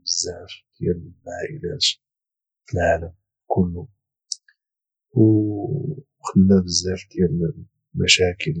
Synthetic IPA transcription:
bəzːaʕfd̪jæmʕaʔɪlæt̪ | fəlʕaləm | kʰʊlːu | w | xəd̪ənæbəzːæft̪jæl | mæʃækəl

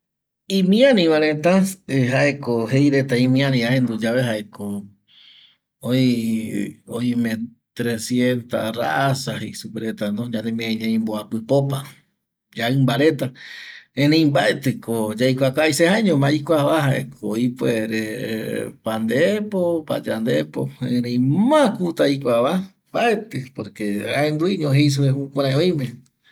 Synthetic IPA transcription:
ĩmĩãnĩβãɾẽt̪aeɦaʔekohejɾet̪aĩmĩãnĩaẽnd̪ud͡ʒaβeɦaʔeko | oi | oimẽ | t̪ɾesjent̪ara̰ʔasahejsupeɾet̪anõɲãnd̪emĩãɲãĩmboapɨpopa | d͡ʒaɨmbaɾet̪aẽɾẽĩmbaet̪ɨkod͡ʒajkʷakajsehãeɲõmãikʷaβaɦaḛkoipoeɾe | pand̪eepopa̰d͡ʒand̪epoẽɾẽj̃mãkut̪aikʷaβa | mbaet̪ɨpoɾkeaend̪uiɲõɦejs̬ueɦũkʷaɾãẽõj̃mẽ

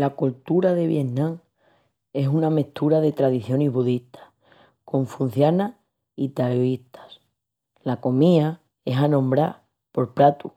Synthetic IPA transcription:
lakult̪uɾaðe̞βje̞nnãŋ | e̞suname̞ht̪uɾaðe̞t̪ɾaðiθjo̞niɦβuðiht̪ʰḁ | kõ̞ɱfun̟θjana | it̪aɾoiht̪ʰḁs | lako̞mia | e̞sanõ̞mbɾa | po̞ɾpɾat̪u

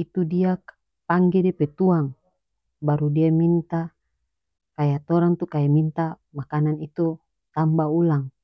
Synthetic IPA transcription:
it̪udia | paŋɡɛdiapɛt̪uaŋ | baɾudiamint̪a | kajat̪ɔɾaŋt̪ukajamint̪a | makananit̪u | t̪ambaulaŋ

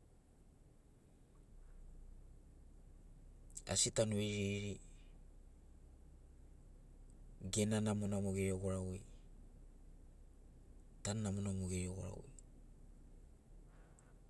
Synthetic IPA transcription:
a̰sitanueɾiiɾi | ɡe̞nanamonamoɡeɾioɡoɾawej | tanːamonamoɡeɾioɡo̰ɾa̰wḛj

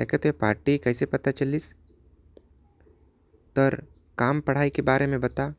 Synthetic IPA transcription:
ɛkət̪epaːɾʈikɛːsepɐt̪at͡ʃɐlis | t̪ɔɾ | kaːmpɐɽ̤aːikebaːɾemẽbɐt̪a

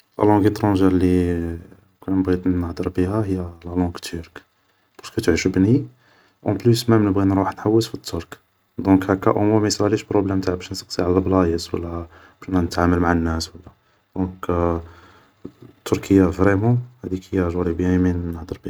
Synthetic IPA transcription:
læ̰lɑ̃ɡet̪ɾɑ̃ʒiɾli | kænəbɣid̪nəħd̪əɾˤbihæhəjːælælɑ̃ɡt̪ʰːyɾk | b̥ɑskət̪ʕiʃəbni | ʔɑ̃plysmæmnəbɣinɾˤuħnħawːəsfit̪ʰːuɾk | d̪ɔ̃khækːæ̰ʔomæmisɾæliʃbɾoblæmːt̪aʕbæʃnəsəqsiʕalæblɑjəswə̰lːæbʃnænət̪ʕaməlmaʕənːæswəlːæ | d̪̥ɔ̃k | t̪ːuɾkʰəjːavɾɛmɑ̃hæd̪ikəjːæʒuɾibjæminnːəħd̪əɾbi

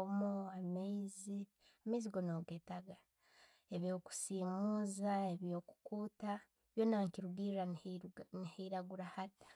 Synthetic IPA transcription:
omoamezi | ameiziɡo̞noːɡetaɡa | e̞βjo̞ku̥siːmuːzaeβjo̞ku̥kuːta | βjonaːŋkiɾuβiːɾaniheiɾaɡuɾahati̥

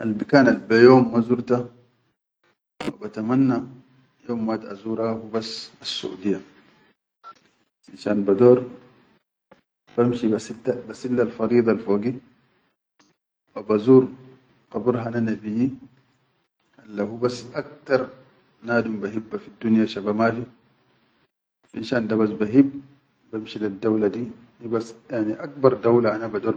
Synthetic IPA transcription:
ʔalbikaːnalbajoːmːazuɾt̪a | fabat̪amanːa | joːmːat̪aa̰zuːɾhahubasasːṵʔṵd̪ijːa | inʃaːnbad̪oːɾ | b̥amʃibasit̪abasilːalfɑɾiːd̪ˤɑlfoːɡi | wabazuːɾ | qɑbuɾɦananabiji | halːahubasʔak̚t̪ɑɾˤ | naːdumbaɦibːafidːunjaʃabamafi | finʃaːndabasbaɦibː | bamʃilidːawladi | nibasjaʕniʔak̚bɑɾˤdawlaʔanabadɔːɾ

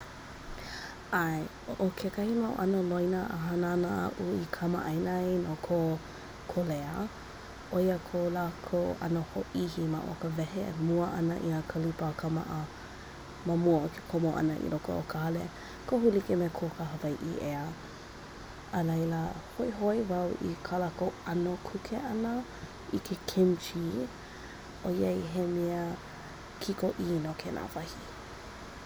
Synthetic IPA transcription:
ʔaj | oʔokʰekɐhimaw̰ʔɐnəlojnəʔə̰ɦananəʔa̰ʔuikʰɐma̰ʔajnajnokʰo | kʰoleə̰ | ʔoiəkʰolaːkʰoʔɐ̰nohoʔihima̰ʔo̰kəvɛɦḛmuəʔɐ̰nə̰ʔiakʰəlupəkʰəma̰ʔə | məmuəokʰe̥kʰomoʔɐ̰nəʔḭloko̰o̰kʰəɐle | koɦulikemekʰokəɦəvɐjʔḭʔeə | əlɐjləhoiɦojvɐwʔḭkʰalakoɐnokʰukʰeʔɐnə | ikʰekʰimt͡ʃi | ʔojejɦemiə | kʰikoʔinokʰenʔa̰vɐhi

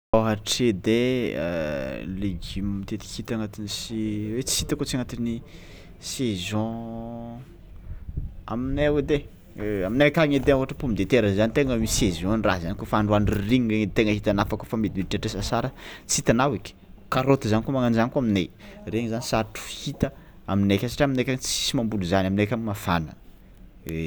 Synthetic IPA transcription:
aɦaʈ͡ʂed̪ḛ | leɡimmit̪et̪i̥kʲhit̪aŋat̪inisiwet͡si̥hit̪akot͡siaŋat̪ini | sezɔ̃ | aminewed̪e | aminakʲaŋed̪euaʈ͡ʂəpumid̪et̪eɾəzanit̪eŋamisezɔ̃nirazanikofaɳɖ͡ʐuanɖ͡ʐiriŋreŋt̪eŋəɦit̪anafakofamid̪imiʈ͡ʂaʈ͡ʂesasaɾət͡sit̪anawikʲi̥kaɾot̪əzanikumaŋand͡ʒanikuaminḛreŋizanisaʈ͡ʂu̥hit̪ə | aminekʲasḁʈ͡ʂiaminekʲaŋt͡si̥simambuluzanaminekʲamimafa̰nə̰ | e

